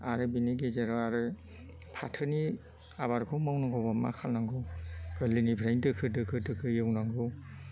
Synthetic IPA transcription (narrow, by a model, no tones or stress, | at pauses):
aɾɯbiniɡezeɾɔaɾɯ | pʰatʰɯni | aβaɾkʰɯmawnaŋɡɔbɔma̰kʰalnaŋɡɯkɯlinibʱɾajndɯkʰɯdɯkʰɯdɯkʰɯjɯwnaŋɡɯw